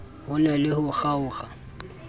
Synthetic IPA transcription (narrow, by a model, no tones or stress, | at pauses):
hʊlɛlɪhʊχaʊːχa